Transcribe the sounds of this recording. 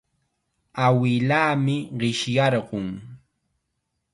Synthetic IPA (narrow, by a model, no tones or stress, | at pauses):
awɪlaːmɪɢɪʃjɑɾɢʊŋ